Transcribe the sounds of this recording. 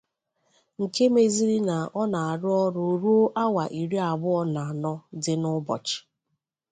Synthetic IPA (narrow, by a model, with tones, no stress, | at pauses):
ŋ̩˨ke˦me˨zi˦ɾi˦na˨ɔ˦na˨a˨ɾʊ˦ɔ˦ɾo˨ɾu˦o˦ʔa˦wa˨ʔi˨ɾi˦a˨bʊ˦ɔ˦na˨nɔ˦dɪ˨nʊ˦bɔ̰˨t͡ʃɪ̥˨